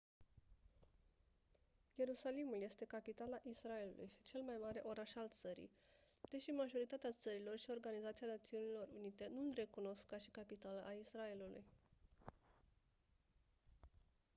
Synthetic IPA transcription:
je̞ɾusalimulje̞st̪e̞kapit̪alaʔisrae̞lṵlṵji̥t͡ʃe̞lmajmaɾe̞ʔo̞ɾaʃalt̪səɾḭ | d̪̥e̞ʃimaʒo̞ɾit̪at̪eat̪səɾilo̞rʃio̞rɡanizat̪sianat̪siunilo̞runit̪e̞nunre̞kuno̞skkːaʃikapit̪aləʔaisrae̞lulṵj

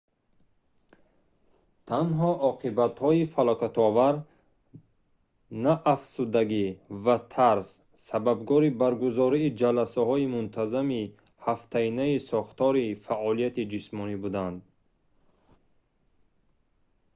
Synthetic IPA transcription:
t̪ʰanɦɔʔɔqʰibat̪hɔifalɔkat̪ɔvaɾ | naʔːfsud̪aɡivat̪ʰaɾsː | ababɡɔɾibaɾɡuzɔɾiːd͡ʒalasahɔimunt̪ʰazami | haft̪ʰainaisɔχt̪ɔɾifaʔɔlijat̪id͡ʒismɔnibud̪and̪

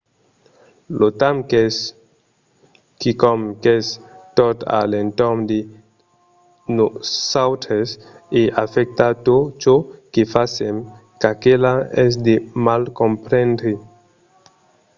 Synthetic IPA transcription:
lot̪amkes | kikɔmkest̪ot̪a̰lent̪omd̪e | nosawt̪ʰes | eʔafɛk̚t̪at̪ot͡ʃokefasem | kakelaɛsd̪emalkompɾẽndɾi

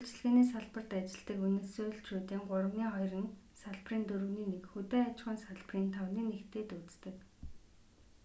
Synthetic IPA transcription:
uɮt͡ɕɮɣeːniːsaɮpə̆r̥t̪at͡ɕɪ̆ɮt̪ə̆kunɘ̆sujɮt͡ɕʰuːt̪iːŋɢʊrə̆wniːχɔjrə̆nsaɮpriːnt̪ɵɾɵ̆wniːnekxɵt̪eːat͡ɕχə̆nsaɮpriːnt̪ʰawniːnekt̪eːt̪ut͡st̪ɘ̆k

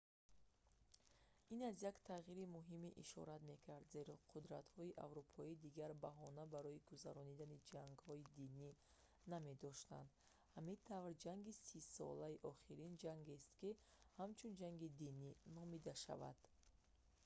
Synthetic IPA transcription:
inazjakt̪ʰaʁiɾimuɦimiʔiʃɔ̰ɾat̪me̞kʰaɾd̪ze̞ɾɔqʰud̪ɾat̪hɔiʔa̰vɾupʰɔid̪iɡaɾbaɦɔnabaɾɔiɡuzaɾɔnid̪anid͡ʒaŋɡhɔid̪ini | name̞d̪ɔʃt̪a̰nd̪ | hamit̪ʰavɾd͡ʒaŋɡisisɔ̰laiʔɔχiɾind͡ʒaŋɡest̪kihamt͡ʃʰund͡ʒaŋɡid̪ininɔmid̪aʃa̰va̰d̪̥

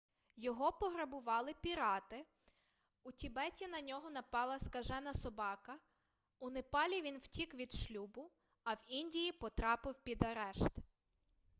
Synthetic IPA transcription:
jɔɦɔpɔɦɾɐbʊʋɑlˠɪpʲiɾɑt̪ɪ | utʲibɛtʲinɐnʲɔɦɔnɐpɑlˠɐskɐʒɛnɐsɔbɑkɐ | ʊnepɑlʲiʋʲinwtʲikʋʲid̪ʃlʲubʊ | ɐwinʲdʲijipɔt̪ɾɑpɪwpʲid̪ɐɾɛʃt̪

